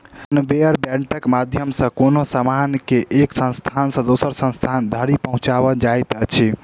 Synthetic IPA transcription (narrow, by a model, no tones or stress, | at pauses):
nbeəɾbɛ̃ɳʈəkmad̪ʱjəmsə̃konosamankeʔeksə̃nst̪ʰansə̃d̪osəɾsə̃nst̪ʰand̪ʱəɾipəɦũt͡ʃaβəd͡ʒajt̪ət͡ʃʰi